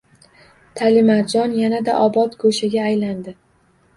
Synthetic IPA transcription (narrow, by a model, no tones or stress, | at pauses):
t̪ʰalɪmad͡ʒɒnjanad̪aʔɒbɒt̪ɡoʃaɡʲaːjland̪ɪ